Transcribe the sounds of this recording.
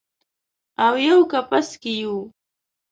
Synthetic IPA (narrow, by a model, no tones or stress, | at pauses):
awjawkapaskɪjuː